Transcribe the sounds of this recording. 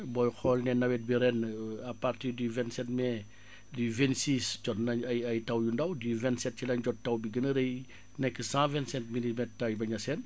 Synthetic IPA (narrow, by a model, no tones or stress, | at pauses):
bɔjxɔlnɛnɐwɛt̚biɾɛnɐpartirdyvɛntsɛt̚mɛ | dyvɛntsiːsɟɔtnɐjɐjtɐwjundɐwdivɛ̃ntsɛt̚t͡ʃilɐɲɟɔt̚tːɐwbiɡənəɾəj | nɛkːəsãvɛntsɛntmilimɛttɐwbɐɲɐsɛn